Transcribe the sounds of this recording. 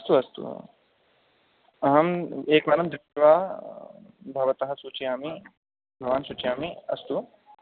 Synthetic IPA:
ɐst̪uɐst̪ṵ | ɐɦɐmeːkʋaːnɐmd̪ɾiʋaː | bʱɐʋɐt̪ɐɦɐ̆sut͡ʃiaːmi | bʱɐʋaːnsut͡ʃijaːmiɐ̰st̪u

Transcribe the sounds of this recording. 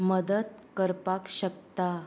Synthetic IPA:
məd̪ət̪kəɾpakɕək̚t̪a

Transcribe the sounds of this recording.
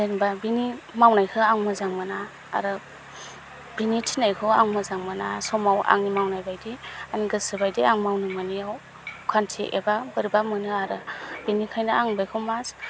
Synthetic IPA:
dɯnbabinimawnajkʰɯaŋmɯzaŋmɯna̰ː | ɾɯ | b̥initʰinajkʰɯaŋmɯzaŋmɯnasɔmawʔa̰ŋnimawnajbajdianiɡɯsɯbajdiaŋmawnɯmanijaw | kʰantʰiʔḛbabɯɾbamɯnɯaɾɯbinikʰajnaaŋbajkʰɯwmas

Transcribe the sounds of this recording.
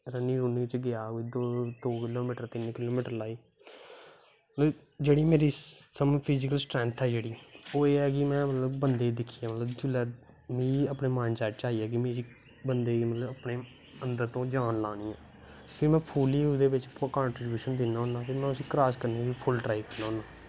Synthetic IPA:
ɾəniːɾuːniːɪt͡ʃɡɪaːɦoːiːd̪d̪oːkɪloːmiːʈəɾt̪ɪnkɪloːmiːʈəɾlaːiː | mət̪ləb | d͡ʒeːɽiːmeːɾiːsəmpʰɪzɪk̬əlsʈɾɛ̃ːnt̪ʰɛːd͡ʒeːɽiːoːeːɛːkɪmɛ̃ːmət̪ləbbənd̪eːd̪ɪkʰiːaːmət̪ləbd͡ʒʊlɛː | mĩːəpneːmaːnsɛːʈt͡ʃaːiːɛːk̬ɪmĩːsiː | bənd̪eːmət̪ləbəpɳeː | ənd̪əɾt̪õːd͡ʒaːnlaːniːɛː | pʰɪɾmɛ̃ːpʰuːliːuːd̪eːʋɪt͡ʃkaːɳʈɾɪbjuːʃənd̪ɪnːaːʊnaːpʰɪɾmɛ̃ːʊsiːkɾaːskəɾniːkipʰʊlʈɾaːikəɾnaːɦʊnaː

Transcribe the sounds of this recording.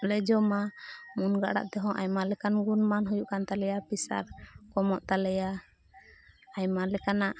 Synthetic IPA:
lɛd͡ʒɔmamunɡa̰ʔɽa̰ʔt̪ɛɦɔ̃ʔajmalɛkanɡunmanɦujuʔkant̪alɛjapisa̰ɾkɔmɔʔt̪alɛja | ajmalɛkanaʔ

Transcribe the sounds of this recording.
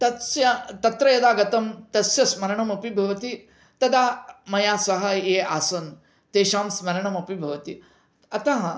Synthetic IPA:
t̪ɐsjɐt̪ɐt̪ɾɐjɐd̪aːɡɐt̪ɐmt̪ɐsjɐsmɐɾɐɳɐmɐpibʱɐʋɐt̪i | t̪ɐd̪amɐjasɐɦɐjeaːsɐn | t̪eːʃaːmsmɐɾɐɳɐmɐpibʱɐʋɐt̪i | ɐt̪aɦ

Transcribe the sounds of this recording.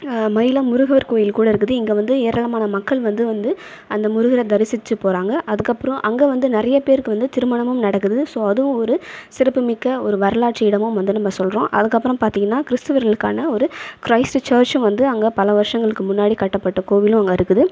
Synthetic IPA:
mɐjlɐmʊɾʊɣɐʋɐɾkoːjɪlkuːɽɐɪɾɯkːɯðɯɪŋɡeːʋɐnd̪ɯeːɾɐɭɐmaːnɐmɐkːɐɭʋɐnd̪ɯʋɐnd̪ɯ | ɐnd̪ɐmʊɾʊɣɪɾɐd̪ɐɾɪsɪt͡ʃːɯpoːɾaːŋɡɐʔɐðɯkːɐpːɯɾɔ̃ʔɐŋɡeːʋɐnd̪ɯnɪɾɐjɐpeːɾɯkːɯʋɐnd̪ɯt̪ɪɾɯmɐɳɐmɯmnɐɽɐkːɯðɯsoːɐðɯʋʊ̃ɔɾɯsɪɾɐpːɯmɪkːɐɔɾɯʋɐɾɐlaːʈʂiɪɽɐmɯmʋɐnd̪ɯnɐmːɐsɔlɾõːʔɐ̰ðɯkːɐpːɯɾɐ̃mpaːɾt̪iːŋɡɐnːaːkɪɾɪst̪ɯʋɐɾɣɐɭɯkːa̰ːnɐɔɾɯkɾɐɪsʈt͡ʃɐːɾt͡ʃɯ̃mʋɐnd̪ɯɐŋɡɐpɐlɐʋɐɾʂɐŋɡɐɭɯkːɯmʊnːaːɽikɐʈːɐpːɐʈːɐkoːʋɪlʊ̃ɐŋɡɐɪɾɯkːɯðɯ

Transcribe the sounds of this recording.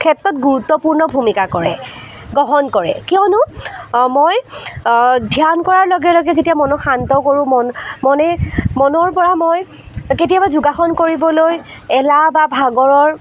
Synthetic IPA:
kʰɛtːɹɔt̚ɡuɹutːɔpuɹnɔbʱumikakɔɹɛ̰ | ɡɔɦɔnkɔɹɛ̰kiɔnʊmoj | dʱjankɔɹaɹlɔɡɛlɔɡɛzetiamɔnɔxantɔkoɹũmɔnmɔnɛmɔnɔɹpɔɹamoj | ketijabazʊɡaxɔnkoɹibɔloj | ɛlababʱaɡɔɹɔɹ

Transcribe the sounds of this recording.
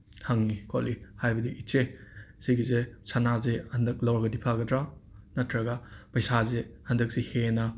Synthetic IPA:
hɐŋːikʰolihajbɐdiʔit͡ʃesiɡizesanazehɐndɐk̚lɐwɾɡɐdipʰaɡɐdɾanɐtʰɾɐɡapɐjsazehɐndɐk̚sihenɐ

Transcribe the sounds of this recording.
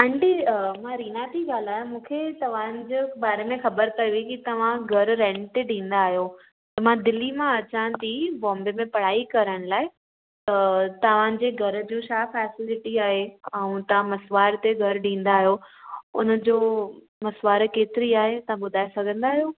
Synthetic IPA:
ɐ̃ɳɖimãɾiːnat̪iɡaːl̤aːjomũːkʰet̪ɐʋ̤ãːnɪ̆d͡ʑebaːɾemẽxɐbəɾkɐjuikit̪ɐʋ̤ãɡʱɐɾɾɛ̃ːɳʈʈ̪eɖĩːn̆d̪aːɦijo | t̪ɐmãd̪ɪlimãɐt͡ɕãːnt̪ibɔ̃ːmbemẽpɐɽ̤aːikɐɾəɽ̃laːɪ | t̪ɐt̪ɐʋ̤ãːn̆d͡ʑeːɡʱɐɾ̆d͡ʑũːʃaːfɛːsɪlɪʈiaːɦeɐ̃ũt̪ɐʋ̤ãmɐsʋaːɾt̪eɡʱɐɾɖĩːn̆d̪aːɦijoʊ̰nə̆d͡ʑoː | mɐsʋaːɾkeːt̪ɪɾiaːɦet̪ɐʋ̤ãbʊd̪ʱaːesɐɡʱə̃nd̪aːɦijo

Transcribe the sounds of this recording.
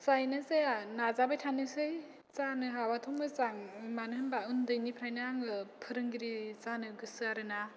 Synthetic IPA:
sajnɯzeanazabajtʰanɯsɯj | t͡sanɯɦabatʰɔmɡɯzaŋimanɯhɯnbaɯndɯjnipʰɾajnaaŋɯpʰɯɾɯŋɡiɾizanɯɡɯsɯaɾɯna

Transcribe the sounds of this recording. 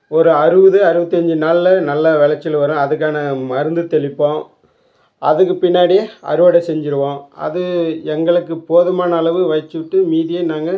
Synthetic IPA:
ɔɾɯɐɾɯʋɐðɯɐɾɯʋɐt̪ːiɐɲd͡ʒɯnaːɭːɐnɐlːɐʋɛɭɐt͡ʃːɪlʋɐɾõːɐðɯk̬ːaːnɐmɐɾɯnd̪ɯt̪ɛɭɪpːõː | ʔɐðɯk̬ːɯpɪnːaːɽɪjeɐ̰ɾɯʋɐɽɐsɛɲd͡ʒɪɾɯʋãːɐ̰ðɯɛŋɡɐɭɯkːɯpoːðɐmaːnɐːɭɐʋɯʋɐɪt͡ʃːɯʋɪʈːɯmiːðɪjenaːŋɡɐ

